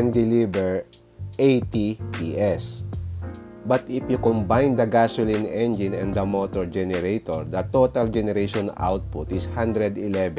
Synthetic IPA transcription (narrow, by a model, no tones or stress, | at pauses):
ɛnd̪ɛlibɛɹ | ʔejt̪ipiʔɛs | bɐt̪ɪfjʊkɔmbajnd̪ɐɡasʊlɪ̃nɛnd͡ʒɪnɛ̰̃nd̪ɐmot̪ɔɹd͡ʒɛnɛɾejt̪oɹd̪ɐt̪ot̪ɐld͡ʒɛnɛɾejʃɔna̰wt̪̚pʊt̪ɪshãnd̪ɾɛd̪ɪlɛv